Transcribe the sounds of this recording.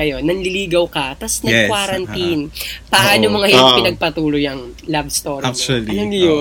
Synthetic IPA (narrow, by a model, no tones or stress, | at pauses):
ɐjo̞nːɐŋlɪliːɡɐwkɐt̪ɐsnɐɛkwaɾɐnt̪inpɐʔʔaːnomoŋɐjonppɪnɐɡ̚pɐt̪uːlojɐŋlabst̪oɾkt͡ʃuɐlijo